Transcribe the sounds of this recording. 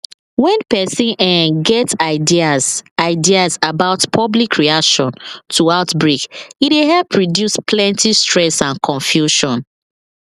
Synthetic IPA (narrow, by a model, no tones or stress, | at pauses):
wɛ̃npɛsĩnɛ̃ɡɛtaɪdiazaɪdiazabaʊtpʰɔblikʰɹiakʃɔ̃ntʰuaʊtbɹikideɦɛlpʰɹɔdjuspʰlɛ̃ntistɹɛsãnkʰɔ̃ɱfjuʃɔ̃n